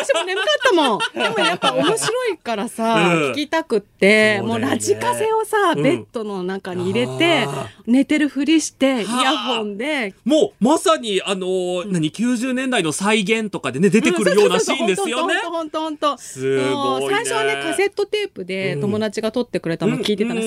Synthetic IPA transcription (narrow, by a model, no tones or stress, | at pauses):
aɕionemɯk̪at̪ːamõ̞d̪e̞mojapːaomo̞ɕiɾo̞ikaɾasaikʲit̪akɯ̟t̪ːe̞mo̞ːɾaʑikase̞o̞sabe̞t̪ːo̞no̞nakaɲ̟iːɾe̞t̪e̞ne̞t̪e̞ɾɯ̟ɸɯ̟ɾʲiɕi̥t̪e̞ijaɸõ̞nd̪e̞moːmasaɲ̟iano̞naɲ̟ikʲɨːʑɨːnẽnd̪ainosaiɡẽ̞nt̪o̞kad̪e̞ne̞d̪e̞t̪e̞kɯ̟ɾɯjo̞ːnaɕĩnd̪esɨjoonetohõ̞nt̪ohõnt̪o̞ɨosaiɕo̞ane̞kase̞t̪ːo̞t̪e̞ːpɯ̟d̪e̞t̪o̞mo̞d̪at͡ɕiɡat̪o̞t̪ːe̞kɯ̟ɾe̞t̪amokʲiːt̪e̞t̪an